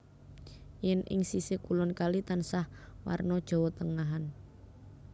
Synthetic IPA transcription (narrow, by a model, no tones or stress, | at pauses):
jɛnɪ̰ŋsisekulɔnkalit̪ansahwa̰rnɔd̥ʒ̥ɔ̤wɔt̪əŋaɦan